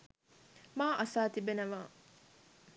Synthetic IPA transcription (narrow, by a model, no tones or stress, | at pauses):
maːʔɐsaːt̪ibenɐʋaː